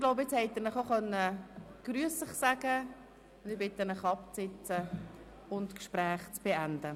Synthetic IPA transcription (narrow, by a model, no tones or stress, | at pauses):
ɡ̥loʊbɪt͡shɛɪt̪əɾnəχoχœnːəɡ̥ɾyəsəχsæɡ̥ə | ʊnd̪ɪbɪt̪ənəχɑpt͡sɪt͡sə | ʊntkʃpɾɛːχt͡sb̥eænd̥ə